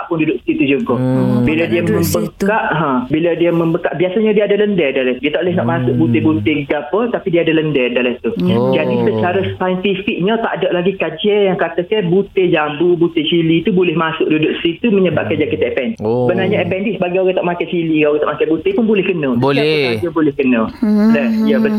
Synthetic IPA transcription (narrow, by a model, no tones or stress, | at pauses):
aʔpʊndudʊʔsit̪ud͡ʒuɡɔbiladiamə̃mbəkaʔɦãbiladiamə̃mbəkaʔbiasaɲadiaadaləndədaladiət̪aʔolɛhŋaʔmasʊʔ̚but̪ebut̪eɡapət̪apidiaːdaləndədalat̪ud͡ʒadisət͡ʃaɾəst̪ajənt̪ifik̚ɲat̪a̰ʔdaʔlaɡikad͡ʒɛjaŋkat̪akɛbut̪ed͡ʒabubut̪et͡ʃilit̪ubolɛhmasʊk̚dudʊʔsit̪uməɲəba̰ʔkad͡ʒakit̪aɛpɛnsəbanarɲaɛpɛndisəbaɡajoɣaŋt̪aʔmakajt͡ʃiliaoɣaŋt̪a̰ʔmakajbut̪epʊnbolɛhkənət̪adiabolɛhkənə̃lɛiabə